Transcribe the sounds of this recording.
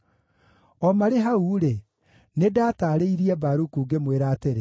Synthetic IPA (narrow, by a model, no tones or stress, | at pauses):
ɔmaɾeɦauɾe | nedataːɾeiɾiɛbaɾukuːɡemweɾaːteɾe